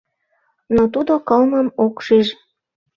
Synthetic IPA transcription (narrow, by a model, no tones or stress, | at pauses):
not̪ud̪okɤlmə̆mokʃiʒ